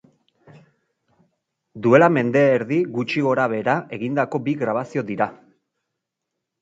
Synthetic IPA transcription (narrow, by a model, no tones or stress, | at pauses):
d̪ue̞lame̞nd̪e̞ːɾðiɣut͡ʃiɣo̞ɾaβ̞e̞ɾaʔe̞ɣind̪ako̞biɣɾaβ̞asio̞d̪iɾa